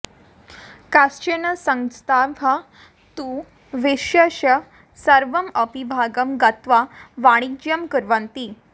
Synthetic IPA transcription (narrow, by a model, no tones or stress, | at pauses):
kast͡ɕenəsə̃ŋst̪ʰabʱa | t̪uː | ʋeʂjəɕə | səɾʋəməpibʱaɡəmɡət̪ʋaʋaɽ̃ik̚d͡ʑjəmkəɾʋənt̪iː